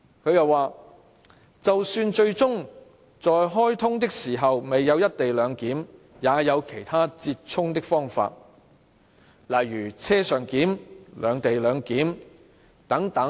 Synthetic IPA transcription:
kʰɵ˨˧jɐ˨waː˨˩ | t͡sɐ˨wsyː˧nt͡ʃɵ˧ɥt͡sʊ˥ŋ | t͡sɔː˨jɦɔː˥jt̪ʰʊ˥ŋt̪ɪ˥k̚siː˨˩ɦɐ˨wme˨jːɐ˨˧wjɐ˥t̚t̪e˨jlœː˨˧ŋkiː˨˥m | jaː˨˧jɐ˨˧wkʰe˨˩jt̪ʰaː˥t͡siː˧t̚t͡ʃʰʊ˥ŋt̪ɪ˥k̚fɔː˥ŋfa̰ː˧t̚ | lɐ˨jɥyː˨˩t͡sʰɛː˥sœː˨˩ŋkiː˨˥mlœ̰ː˨˧ŋt̪e˨jlœː˨˧ŋkiː˨˥m | t̪ɐ˨˥ŋt̪ɐ˨˥

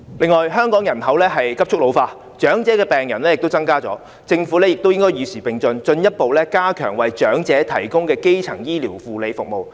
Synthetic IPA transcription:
lɪ˨ŋːɔː˨jɦœː˥ŋkɔː˨˥ŋjɐ˨˩nɦɐ˨˥wlɛː˥ɦɐ˨jkɐ˥p̚t͡ʃʰʊ˥k̚lo˨˧wfaː˧ | t͡ʃœː˨˥ŋt͡sɛː˨˥kɛː˧pɛː˨ŋjɐ˨˩nlɛ˥jɪ˨k̚t̪o˥wt͡sɐ˥ŋkaː˥t͡sɔ̰ː˨˥ | t͡sɪ˧ŋfu˨˥lɛː˥jɪ˨k̚t̪o˥wjɪ˥ŋkɔː˥jyː˨˧siː˨˩pɪ˨ŋt͡sɵ˧nt͡sɵ˧njɐ˥t̚po˨wlɛː˥kaː˥kʰœ̰ː˨˩ŋwɐ˨˩jt͡ʃœː˨˥ŋt͡sɛː˨˥t̪ʰɐ̰˨˩jkʊ˥ŋkɛː˧ke˥jt͡sʰɐ˨˩ŋjiː˥liː˨˩wfuː˨le˨˧jfʊ˨k̚mo˨w

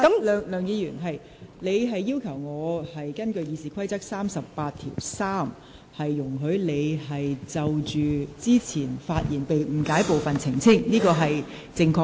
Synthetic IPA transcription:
kɐ˨˦˥mlœː˨ŋlœː˨˧ŋjiː˨˧jyː˨˩nɦɐ˨j | le˨˧jɦɐ˨jːiː˥wkʰɐ˨˩wŋɔː˨˧hɐ˨jkɐ˥nkɵ˧ɥjiː˨˧siː˨˥kʰɐ˥jt͡sɐ˥k̚saː˥msɐ˨pːaː˧t̚t̪ʰḭ˨˩wsaː˥m | hɐ˨jːʊ˨˩ŋɦɵ˨˧˥ɥle˨˧jɦɐ˨jt͡sɐ˨wt͡ʃyː˨t͡siː˥t͡sʰiː˨˩nfaː˧t̚jiː˨˩npe˨jm̩˨˩kaː˨˥jpo˨wfɐ˨nt͡sʰɪ˨˩ŋt͡sʰɪ˥ŋniː˥kɔː˧ɦɐ˨j | t͡sɪ˧ŋkʰɔː˧

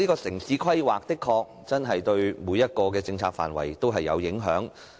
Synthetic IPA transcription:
liː˥kɔː˧sɪ˨˩ŋsiː˨˥kʰɐ˥jwaː˨k̚t̪ɪ˥kʰːɔː˧k̚t͡sɐ˥nɦɐ˨jt̪ɵ˧ɥmuː˨˧jɐ˥t̚kɔː˧k̬ɛː˧t͡sɪ˧ŋt͡sʰaː˧k̚fa̰ː˨˩nwɐ̰˨˩jt̪o˥wɦɐ˨jːɐ̰˨˧wjɪ˨˥ŋɦœ̰ː˨˥ŋ

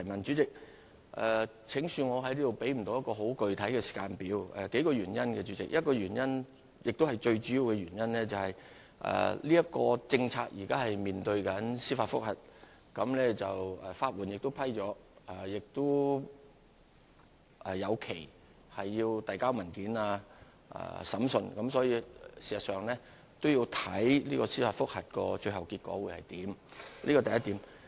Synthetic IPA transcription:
t̪ʰɐ˨˩mɐ˨nt͡ʃyː˨˥t͡sɪ˨k̚ | ʔɛː˨ | t͡sʰɪ˨˧˥ŋsyː˧ŋɔː˨˧ɦɐ˨˥jliː˥t̪o˨wpe˨˥jm̩˨˩t̪o˧wjɐ˥tkɔː˧ɦo˨˥wkɵ˨˧ɥt̪ʰɐ˨˥jkɛː˧si̥˨˩kaː˧npiː˨˥wɛ˨ke˨˥jkɔː˧ɥyː˨˩njɐ˥nkɛ˧t͡ʃyː˨˥t͡sɪ̰˨k̚jɐ˥t̚kɔː˧jyː˨˩njɐ˥n | jɪ˨k̚t̪o˥whɐ˨jt͡ʃɵ˧ɥt͡ʃyː˨˥ji˨˧wkɛː˧jyː˨˩njɐ˥nlɛː˥t͡sɐ˨whɐ˨j | ʔɛ̰ː˨liː˥ɐ˥t̚kɔː˧t͡sɪ˧ŋt͡sʰaː˧k̚jiː˨˩kaː˥hɐ˨jmiː˨˩nt̪ɵ˧ɥkɐ˨˥nsiː˥faː˧t̚fʊ˥k̚hɐ˨˩t̚ | kɐ˨˧˥mlɛː˥t͡sɐ˨wɛ˨faː˧t̚wuː˨˩njɪ˨k̚t̪o˥wpʰɐ˥jt͡ʃɔː˨˥a˨˩jɪ˨k̚t̪ʊ˥ | ʔɛ˨jɐ˨˧wkʰe˨˩j | hɐ˨jːiː˧wt̪ɐ˨jkaː˥wmɐ˨˩nkiː˨˥naː˧ | ʔɐ̰ː˨sɐ˨˥msɵ˧nkɐ˨˥msɔː˨˥jiː˧siː˨˩sɐ˨tsœː˨˧ŋlɛː˥ | t̪o˥wjiː˧wt̪ʰɐ˨˥jliː˥kɔ˧siː˥faː˧tfʊ˥k̚hɐ˨t̚kɔ̰ː˧t͡ʃɵ˧ɥɦɐ˨wkiː˧t̚kɔ̰ː˨˥wuː˨˧jhɐ˨jt̪iː˨˥mliː˥kɔ˧t̪ɐ˨jɐ˥t̪iː˨˥m

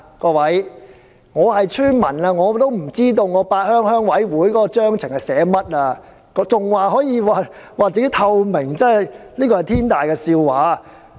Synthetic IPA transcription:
kɔː˧wɐ˨˥j | ŋɔː˨˧hɐ˨jt͡ʃʰyː˥nmɐ˨˩naː˧ŋɔː˨˧t̪o˥wm̩˨˩t͡siː˥t̪o˧wŋɔː˨˧paː˧t̚hœː˥ŋhœː˥ŋwɐ˨˥jwuː˨˥jkɔː˨˥kɔː˧t͡ʃœː˥ŋt͡sʰɪ˨˩ŋhɐ˨˩jsɛː˨˥mɐ˥t̚aː˧ | kɔ˨˧˥t͡sʊ˨ŋwaː˨ɦɔː˨˥jiː˨˧waː˨waː˨t͡siː˧ke˦˥t̪ʰɐ˧wmɪ˨˩ŋt͡sɐ˥ɐ˨jliː˥kɔ˧ɐ˨jt̪ʰiː˥nt̪aː˨jkɛː˧siː˧wwaː˨˥

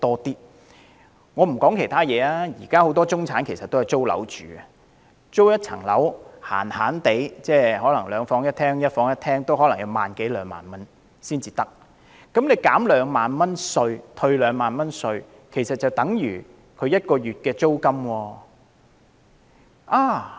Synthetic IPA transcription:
t̪ɔː˥t̪iː˥ | ŋɔː˨˧m̩˨˩kɔː˨˥ŋkʰe˨˩jt̪ʰaː˥jɛː˨˧aː˥jiː˨˩kaː˥ho˨˥wt̪̬ɔː˥t͡sʊ˥ŋt͡sʰaː˨˥nkʰe˨˩sɐ˨t̪̚o˥ɐ˨˩t͡so˥wlɐ̰˨˥wt͡ʃy̰ː˨ɐ˧ | t͡so˥wjɐ˥t̚t͡sʰɐ̰˨˩ŋlɐ̰˨˥wha̰ː˨˩nhaː˨˥nt̪e˨˥jt͡sɛː˥˩ɦɔː˨˥lɐ˨˩ŋlœː˨˧ŋfɔː˨˥ŋjɐ˥t̪ʰɛː˥ŋjɐ˥t̚fɔː˨˥ŋjɐ˥t̪̚ʰɛː˥ŋt̪o˥whɦɔː˨˥lɐ˨˩ŋjɐ˨˧wmaː˨nke˨˥jlœː˨˧ŋma̰ː˨˩nmɐ˥n | siː˥nt͡siː˨˧t̪ɐ˥k̚ | kɐ˨˥mle˨˧jkaː˨˥mlœː˨˧ŋmaː˨nmɐ˥nsɵ˧ɥt̪ʰɵ˧ɥlœː˨˧ŋmaː˨nmɐ˥nsɵ˧ɥ | kʰe˨˩jsɐ˨t̚t͡sɐ˨wt̪ɐ˨˥ŋjyː˨˩ | kʰɵ˨˧ɥjɐ˥t̚kɔː˧jyː˨t̚kɛː˧t͡so˥wkɐ˥mwɔː˧ | ʔaː˨˧

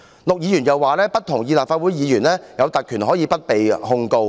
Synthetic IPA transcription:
lʊ˨k̚jiː˨˧˥jyː˨˩njɐ˨waː˨˧lɛː˥pɐ˥t̚t̪ʰʊ˨˩ŋjiː˧laː˨p̚faː˧t̚wu˨˥jjiː˨˧jyː˨˩nlɛː˥jɐ˨˧wt̪ɐ˨t̚kʰyː˨˩nɦɔ˨˥jiː˧pɐ˥t̚pe˨jhʊ˧ŋko˧w

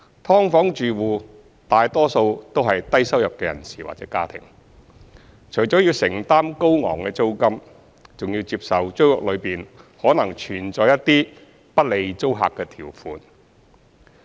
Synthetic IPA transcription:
t̪ʰɔː˥ŋfɔː˨˥ŋt͡ʃyː˨wuː˨ | t̪aː˨jt̪ɔː˥so˧wt̪o˥wɦɐ˨jt̪ɐ˥jsɐ˥wjɐ˨p̚kɛː˧jɐ̰˨˩nsiː˨˩wa̰˨t̚t͡sɛː˨˥kaː˥t̪ʰɪ̰˨˩ŋ | t͡ʃʰɵ˨˩t͡ʃɔ˨˥jiː˧wsɪ˨˩ŋt̪aː˥mko˥wŋɔ̰ː˨˩ŋkɛː˧t͡so˥wkɐ˥m | t͡sʊ˨ŋjiː˧wt͡siː˧p̚sɐ˨wt͡ʃɵ˥lɔ̰˨k̚lɵ˨˧ɥpiː˨nhɔː˨˥nɐ˨˩ŋt͡ʃʰyː˨˩nt͡sɔː˧jɐ˥tt̪ːiː˥ | pɐ˥t̚le˨˧jt͡so˥wɦa̰ː˨kːɛː˧t̪ʰiː˨˩wfuː˨˧n

